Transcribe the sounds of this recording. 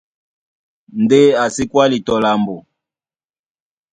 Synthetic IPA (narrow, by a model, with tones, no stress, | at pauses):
nde˦a˨si˦kwa˦li˨tɔ˨la˨mbɔ˨